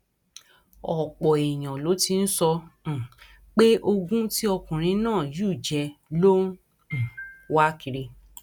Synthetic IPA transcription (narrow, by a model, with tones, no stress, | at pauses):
ɔ˨k͡pɔ˨e˨j̃ã˨lo˨˦ti˧n̩˦sɔ̃˧˨ | k͡pe˦ʔo˧ɡũ˦ti˦ɔ˧kũ˨ɾ̃ĩ˧nãː˦˨ju˦˨d͡ʒɛ˧lõ˦˨ | wa˦ki˧ɾe˧